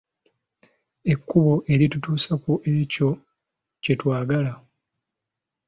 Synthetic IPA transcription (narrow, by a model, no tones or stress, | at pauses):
e̞kːuβo̞ʔe̞ɾitutuːsakuʔe̞co̞ | ce̞twaːɡala